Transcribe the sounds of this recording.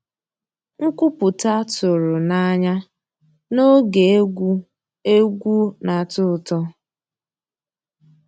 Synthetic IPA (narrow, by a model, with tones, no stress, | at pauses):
ŋ̩˦kʷʊ˦pʊ˨ta˦tʊ˨ɾʊ˨na˦ɲa˦ | no˦ɡe˨˦ɡ | e˦ɡʷu˦na˨tʊ˦˨tɔ˦